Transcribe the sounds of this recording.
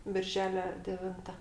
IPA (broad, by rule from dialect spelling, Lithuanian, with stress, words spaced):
ˈbʲɪrʲʒʲɛlʲɛ dʲɛˈʋʲɪntɐ